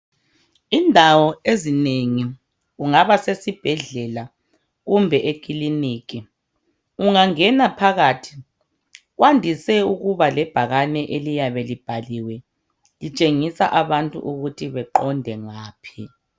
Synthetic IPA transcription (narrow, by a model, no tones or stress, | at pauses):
indʱawɔezineŋi | uŋaβasesib̥ʱɛɮɛla | ɣumbʱɛʔekʼiliniːk̬ʼi | uŋaŋɛnapʰaɣaːtʰi̥ | ɣwandʱisɛuɣuβalɛb̥ʱaɣanɛʔelijaβɛlib̥ʱaliwɛ | lit͡ʃʼeŋisa̰ʔaβantʼṵʔuɣutʰiβɛǃɔndʱɛŋaːpʰi